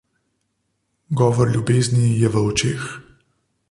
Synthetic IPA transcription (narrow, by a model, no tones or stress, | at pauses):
ɡɔːʋɔɾlʲjubeːznijɛʋəɔt͡ʃeːx